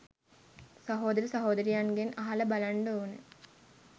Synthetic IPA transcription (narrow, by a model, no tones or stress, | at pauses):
sɐɦoːd̪ɐɾəsɐɦoːd̪ɐɾijanɡenaɦaləbalaɳɖəoːnə